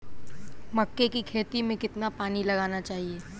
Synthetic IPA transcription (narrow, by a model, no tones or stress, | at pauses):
mɐkːekikʰeːt̪imẽkɪt̪napaːnilɐɡaːnat͡ʃaːɦieː